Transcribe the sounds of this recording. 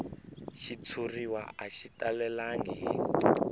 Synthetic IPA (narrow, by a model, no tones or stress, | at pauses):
ʃit͡sʰuriwa̰aʃitalɛlaŋi